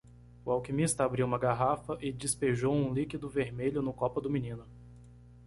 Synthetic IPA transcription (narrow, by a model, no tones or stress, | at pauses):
ʊawkimist̪ɐabɾiwũmɐɡaɦafɐʔɪd͡ʒɪspeʒowũlikid̪ʊveɾmeʎʊnʊkɔpɐd̪ʊmĩnĩnʊ